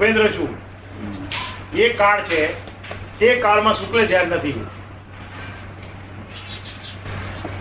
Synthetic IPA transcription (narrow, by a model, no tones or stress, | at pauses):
pẽnd̪ɾət͡ʃʰũ | ekaɽt͡ʃʰe | t̪ekaɽmãsũkled͡ʒ̪ʱjanːət̪ʰi